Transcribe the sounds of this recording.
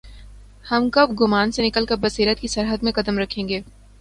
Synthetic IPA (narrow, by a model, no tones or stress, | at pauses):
hɐmkɐbɡʊmaːnsenɪkəlkəɾbɐsiːɾət̪̚kisɐɾɦəd̪mẽqɐd̪əmɾɐkʰːẽːŋɡeː